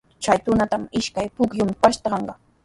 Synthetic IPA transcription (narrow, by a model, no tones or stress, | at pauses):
t͡ʃajt̪ʊnat̪amɪʃkajpʊkjʊmɪpaʃt̪ɑɢɑɴɢɑ